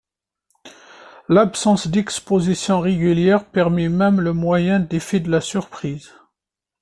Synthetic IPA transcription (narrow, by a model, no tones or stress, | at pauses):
lapsɑ̃sd̪ɛkspozisjɔ̃ʁeɡʲyljɛʁpɛʁmɛmɛmləmwajɛ̃d̪efid̪əlasyʁpχiz